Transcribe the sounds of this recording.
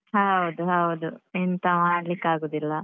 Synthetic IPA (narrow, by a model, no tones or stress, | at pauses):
ɦɐud̪uɦɐud̪uent̪ɐʋaɽlikːaːɡoːd̪ilːɐ